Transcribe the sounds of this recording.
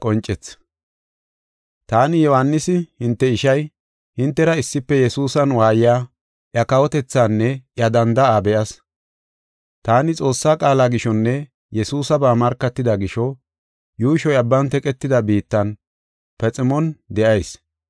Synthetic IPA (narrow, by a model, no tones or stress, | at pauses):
kʼɔnt͡ʃʼɛt͡sː | t̪aːnɪjɔhɐnːɪsɪhɪnt̪ːɛɪʃɐj | hɪnt̪ːɛɾɐɪsːɪpːɛjɛsuːsɐnwaːjɪjaː | ʔjɐkɐwɔt̪ɛt͡sːaːnːɛʔjɐd̪ɐnd̪ɐaːbɛʔɐs | t̪aːnɪt͡sʼo̞ːsːaːkʼaːlaːɡɪʃɔnːɛ | jɛsuːsɐbaːmɐɾkːɐt̪ːɪd̪ɐɡɪʃɔ | juːʃɔjɐbːɐnt̪ɛkʼɛt̪ːɪd̪ɐbiːt̪ːɐn | pɛt͡sʼɪmɔnd̪ɛʔɐjs